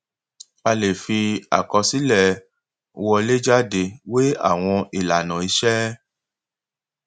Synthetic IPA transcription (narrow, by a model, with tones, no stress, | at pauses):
a˧le˨fi˧a̰˨kɔ˧si˦lɛ˦˨˧ | wɔ˧le˦d͡ʒa˦de˧we˦a̰˦˨w̃ɔ̃˧i˨la˨nã˨i˧ʃɛ˦